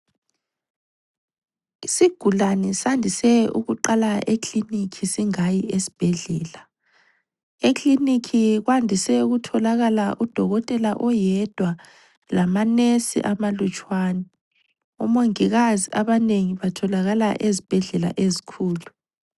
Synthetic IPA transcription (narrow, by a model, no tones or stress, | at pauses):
isiɡ̥ʱulanɛsandʱisɛṵɣuǃalaʔekʰlinikʰisiŋajiesi̥b̥ʱɛɮɛːla | ekʰʼlinikʰiɣwandʱisɛuɣutʰɔlaɣalaʔud̥ʱɔɣɔtʼɛlaʔɔjɛd̥ʱwa | lamanesḭʔamalut͡ʃʼwaːnɛ | ṵmoŋiɣaziʔaβaneŋiβatʰɔlaɣalaʔezib̥ʱɛɮɛla̰ʔezikʰuːlu